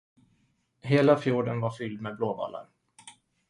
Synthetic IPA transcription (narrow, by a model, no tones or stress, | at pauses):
heːlafjuːɖənvaɾfʏld̪meːbloːba̰lːa̰ɾ